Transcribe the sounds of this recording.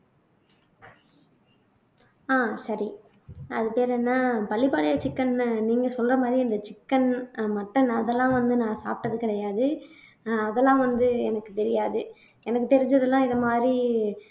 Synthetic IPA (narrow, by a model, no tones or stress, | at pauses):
aːsɐɾi | ɐ̰ðɯpeːɾɛːnːaːpɐɭːɪpaːɭɐjɐt͡ʃɪkːɐnːɯniːŋɡɐsɔlrɐmaːd̪ɾiɪnd̪ɐt͡ʃɪkːɐnmɐʈːɐnɐðɛlːãːʋɐnd̪ɯnãːsa̰ːp̚ʈːɐðɯkɪɾɐjaːðɯ | ɐðɛlːãːʋɐnd̪ɯɛnɐkːɯt̪ɛɾɪjaːðɯ | ɛnɐkːɯt̪ɛɾɪɲd͡ʒɐðɛlːãːɪðɐmaːd̪ɾi